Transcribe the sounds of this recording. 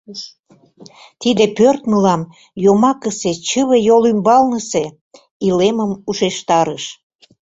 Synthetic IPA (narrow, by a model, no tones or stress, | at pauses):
t̪id̪epørt̪məlɑm | jomɑkəset͡ɕəβejolymbɑlnəse | ileməmuʃeʃt̪ɑɾəʃ